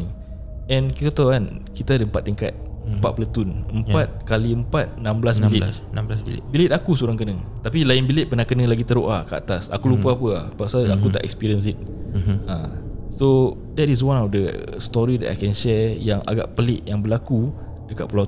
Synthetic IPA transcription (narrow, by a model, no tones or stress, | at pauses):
ɛ̃nkit̪at̪awankit̪aadəəmpat̪ːiŋka̰t̪̚əmpa̰t̪̚pələt̪unəmpat̪̚kaliəmpat̪̚nãmbəlasbilɪ | namblasbḭbilɪt̪akusuɾaŋkənə̃t̪apilaɪnbilɪt̪̚pənahkənə̃laɡit̪əɾoʔakəa̰t̪asa̰kulupaapəapasaakut̪a̰ʔɛkspiɾiəns̬it̪̚ | ã | so | dɛtis̬wãnɔfdə | st̪ɔɾidɛ̰ta̰jkɛnʃɛjaŋa̰ɡa̰ʔpəlɪʔjaŋbəlaku | dəka̰ʔ̚pulaw